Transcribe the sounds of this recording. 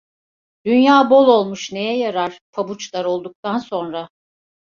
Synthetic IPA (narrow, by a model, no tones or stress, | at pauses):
d̪̥ynjaːbo̞lˠo̞lˠmuʃne̞jɛjaɾaɾ̥pʰabut͡ʃlˠaɾo̞lˠd̪uk̚t̪ʰanso̞nɾa